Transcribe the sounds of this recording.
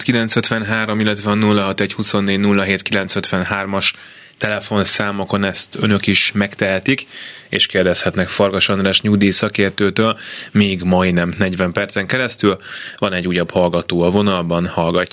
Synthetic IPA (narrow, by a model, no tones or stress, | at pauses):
t̪kilɛnt̪søt̪ʋɛnɦaːɾo̞milːɛt̪ʋɛɒnulːɒɦɒt̪ɛchuso̞nːeːɟnulːɒɦeːt̪kilɛnt̪søt̪ʋɛnhaːrmɒʃ | t̪ɛlɛfo̞nsaːmoko̞nɛst̪ønø̞kiʃmɛkt̪ɛɦɛt̪ikḛːʃkeːrd̪ɛshɛt̪nɛkfɒrɡɒʃonraːʃɲud̪iːsɒkeːrt̪øːt̪øːlmeːɡmɒjnɛmnɛɟvɛmpɛrt̪sɛŋkɛɾɛst̪ylvɒnɛɟːujɒbhɒlɡɒt̪oːɒvo̞nɒlbɒnhɒlɡɒcː